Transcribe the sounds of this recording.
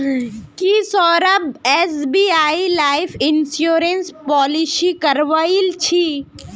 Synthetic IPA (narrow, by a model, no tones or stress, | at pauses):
kisɔːɾəbeːsbiːaːilaːɪifʰɪnsjoːɾenspɔːlisikɐɾʋaːilt͡ʃʰiː